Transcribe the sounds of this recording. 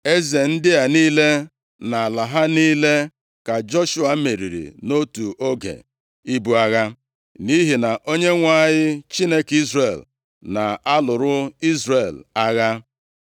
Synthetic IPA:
e˦ze˨n̩˦dɪ˦ja˨niː˦le˦ | na˨a˨la˨ɦa˦niː˦le˦ | ka˨d͡ʒɔ˦ʃu˦a˨˦me˨ɾḭ˨ɾḭ˨no˦tu˨ʔo˦ɡḛ˨ | i˦bu˨a˦ɣa˦ | ni˦ɦi˨na˨ʔo˦ɲe˦ŋʷa˦˨ɲɪ˦t͡ʃi˦ne˦ki˦zre˨l | na˨a˦lʊ˨ɾʊ˦i˦zre˨la˦ɣa˦

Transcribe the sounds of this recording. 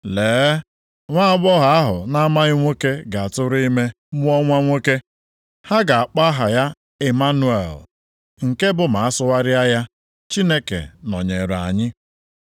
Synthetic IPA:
leː˨˦ | ŋʷa˦ɡ͡bɔ˦ɦa˨a˦ɦʊ̰˨na˦ma˦ɪ˦ŋʷe˦ke˦ɡa˨a˨tʊ˦ɾʊ˦i˦me˦ | mʊ˦ɔ˦ŋʷa˦ŋʷe˦ke˦ | ha˦ɡa˨a˨k͡pa˦ɦa˨ja˦ | e˨ma˦nu˨˦ḛ˨l | ŋ̩˨ke˦bʊ˨ma˨a˦sʊ˦wa˦ɾɪ˦a˦ja˦ | t͡ʃi˦ne˦kḛ˨nɔ˨ɲe˨ɾa̰˨ɲɪ˦

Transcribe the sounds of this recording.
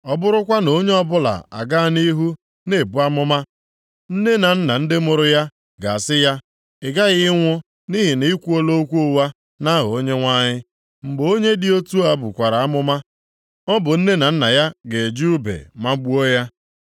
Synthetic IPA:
ɔ˦bʊ˦ɾʊ˦kʷa˦no˦ɲe˦ɔ˦bʊ˦la̰˨a̰˨ɡa˦˨ni˦ɦu˦ | ne˨bu˨˦a˦mʊ˦ma˦ | n̩˦ne˦na˨n̩˦na˨n̩˦dɪ˦mʊ˨ɾʊ˦ja˦ | ɡa˨a˨sɪ˦ja˦ | ɪ˨ɡa˦ɣɪ˦ŋʷʊ˦ | ni˦ɦi˨ni˨˦i˦kʷu˦o˦lo˦kʷu˦o˦wa˦ | na˦ɦʊ˨o˦ɲe˦ŋʷa˦ɲɪ˦ | ŋ͡m̩˨ɡ͡bo˦ɲe˦dɪ˨o˦tu˦a˦bʊ̰˨kʷa˨ɾa˨a˦mʊ˦ma˦ | ɔ˦bʊ˨n̩˦ne˦na˨n̩˦na˨ja˦ɡe˨d͡ʒu˦bḛ˨ma˦ɡ͡bu˦o˦ja˦

